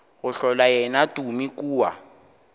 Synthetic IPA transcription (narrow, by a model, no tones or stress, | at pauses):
ɔɬɔlajɛnatʼumikuːwa̰